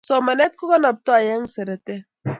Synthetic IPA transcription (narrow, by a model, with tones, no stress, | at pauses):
sɔ˨ma˨nɛ˦t̪̚kɔ˦kɔ˦na˨p̚t̪ɔ˦a˨ja˦ŋsɛ˨ɾɛ˨t̪ɛ˦